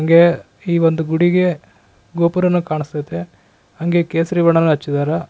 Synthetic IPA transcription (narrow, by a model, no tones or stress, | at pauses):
ɐŋɡe̞ | iːʋond̪uɡuɽiɡe̞ | ɡoːpuɾɐnːukaːɳist̪ɐjt̪e | ɐŋɡe̞keːsɐɾiʋɐɳɐnːuɦɐt͡ʃːid̪aːɾa